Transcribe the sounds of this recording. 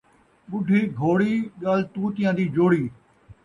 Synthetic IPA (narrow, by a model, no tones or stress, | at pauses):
ɓʊɖʱiːɡʱoːɽiːɠaːlt̪uːt̪ɪjãːd̪iːd͡ʒoːɽiː